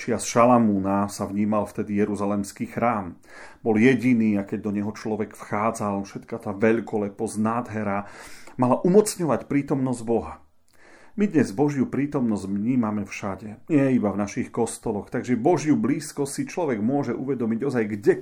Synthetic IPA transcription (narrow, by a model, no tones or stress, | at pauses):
t͡ʃɪasʃalamuːnasavɲiːmalft̪ɛd̪ijɛɾuzalɛmskiːxɾaːm | bɔljɛɟiniːakɛɟd̪ɔɲɛɦɔt͡ʃlɔʋɛɡfxaːd͡zalfʃɛt̪kat̪aːvɛʎkɔlɛpɔznaːd̪ɦɛɾamalaʔumɔt͡sɲɔʋacpɾiːt̪ɔmnɔzɟbɔɦa | mid̪ɲɛzbɔʒjupɾiːt̪ɔmnɔzɟvɲiːmamɛfʃaɟɛɲɪɛibavnaʃixkɔst̪ɔlɔxt̪aɡʒɛbɔʒjubliːskɔstsit͡ʃlɔʋɛɡmʊɔʒɛʔuʋɛd̪ɔmiɟɔzajɡɟɛ